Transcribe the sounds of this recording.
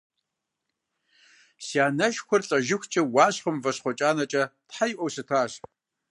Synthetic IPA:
sjaːnɐʃxʷʊrɬʼɐʒɪxʷt͡ʃʼɐwɑːɕχəmvɐɕχʷɔt͡ʃʼaːnɐt͡ʃʼɐtħajʔʷɔwsɨtʰaːɕ

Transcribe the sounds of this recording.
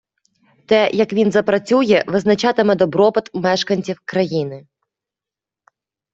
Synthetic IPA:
t̪ɛjɐkʋʲinzɐpɾɐt͡sʲujɛʋɪznɐt͡ʃɑt̪ɪmɛd̪ɔbɾɔpɐt̪mɛʃkɐnʲt͡sʲiwkɾɐjinɪ

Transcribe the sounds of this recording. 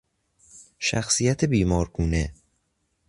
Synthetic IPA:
ʃæ̰xsiːjæt̪ʰebiːmɒːɾkʰuːne

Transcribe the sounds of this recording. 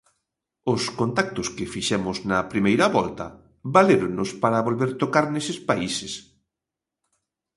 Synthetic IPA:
ʊskont̪ak̚t̪ʊskɪfiʃɛmʊznɐpɾimejɾɐβɔlt̪ɐ̰ | βaleɾoŋnʊspaɾɐβolβeɾt̪okaɾnesɪspaises

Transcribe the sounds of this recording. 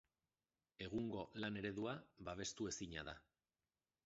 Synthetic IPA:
e̞ɣ̞uŋɡo̞lane̞ɾe̞ðuaβaβe̞st̪ue̞siɲa̰ða̰

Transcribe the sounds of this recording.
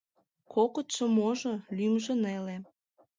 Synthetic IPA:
kʰokət̪ʃə̆moʒolymʒə̆nele

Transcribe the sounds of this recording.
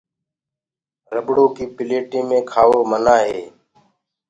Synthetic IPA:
ɾəbɽõːkiːpɪleːʈĩːmẽːkʰaːʋoːmənaːɦeː

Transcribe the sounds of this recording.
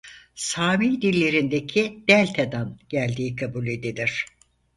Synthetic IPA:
saːmiːd̪ilʲːe̞ɾind̪ecʰid̪̥ælʲt̪ʰed̪anɟ̥ælʲd̪iːkʰabulʲe̞d̪iliɾ̥

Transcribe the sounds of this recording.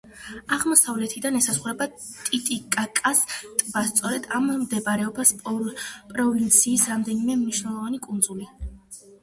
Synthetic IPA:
aʁmɔsavlɛt̪ʰid̪anɛsasχuɾɛba | t̪ʼit̪ʼikʼakʼast̪ʼbast̪sʼɔɾɛd̪amːd̪ɛbaɾɛɔbaspʼɔpʼɾɔvint̪sʰiːsɾamd̪ɛnimɛmniʃnɛlˠɔvanikʼund̪zuli

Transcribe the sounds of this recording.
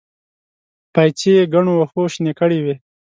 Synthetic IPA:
pajt͡ʃeɡaɳowaxoʃnekəɽiwe

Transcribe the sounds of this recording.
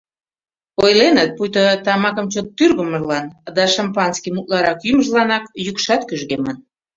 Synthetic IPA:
ojlenət̪̚pujt̪ot̪ɑmɑkəmt͡ɕot̪ːyrɣəməʒlɑnd̪ɑʃɑmpɑnskimut̪̚lɑɾɑkjyməʒlɑnɑkjykʃɑt̪kyʒɣemən

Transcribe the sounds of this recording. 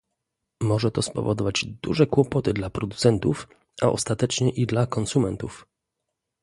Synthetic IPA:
mɔʐɛt̪ɔspɔ̰vɔd̪ɔvad͡ʑd̪ṵʐɛkwɔpɔt̪ɘd̪lapɾɔd̪ut̪sɛnt̪uf | ʔa̰ʔɔ̰st̪at̪ɛt͡ʂɲɛʔid̪lakɔnsumɛnt̪uf

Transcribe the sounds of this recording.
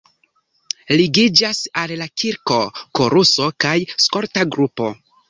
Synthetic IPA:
liɡid͡ʒasallakiɾko̞koɾuso̞kajsko̞ɾtaɡɾupo̞̰

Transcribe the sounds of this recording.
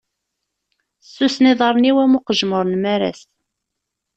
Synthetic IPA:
sːusniðˤɑɾˤniwæmʊqəʒməɾˤnmæɾæ̰s

